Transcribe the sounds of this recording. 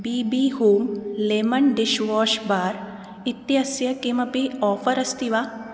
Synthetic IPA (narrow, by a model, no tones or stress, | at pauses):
biːbiːɦoːmleːmɐnɖiʃʋɔːʃbaːɾ | it̪jɐsjɐkimɐpiɔːfɐɾɐst̪iʋa